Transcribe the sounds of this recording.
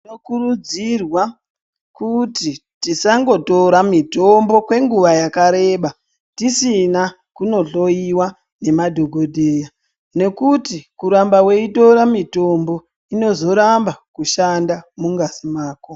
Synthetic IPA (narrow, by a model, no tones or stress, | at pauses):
nokurud͡zirwa | kutitisaŋɡo̞to̞ɾamito̞mbo̞kwe̞ŋɡuʋajakaɾe̞ːɓa | tisina | kuno̞ɬo̞iwa | ne̞madʱo̞ɡʱo̞dʱeːja | ne̞kutikuɾambawe̞ito̞ɾamito̞mbo̞ | ino̞zo̞ɾambakuʃandamuŋɡasimaːko